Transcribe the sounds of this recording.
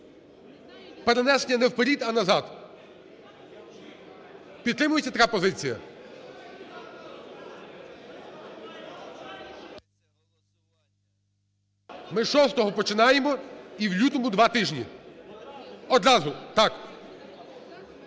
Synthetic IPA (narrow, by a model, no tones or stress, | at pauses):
peɾenɛsenʲːɐnɛwpeɾʲid̪ɐnɐzɑd̪ | pʲit̪t̪ːɾɪmʊjet͡sʲːɐt̪ɐkapɔzɪt͡sʲijɐ̰ | mɪʃɔst̪ɔɦɔpɔt͡ʃɪnɑjemɔiwlʲut̪ɔmʊd̪ʋɑt̪ɪʒnʲḭ | ɔd̪ɾɑzʊt̪ɑk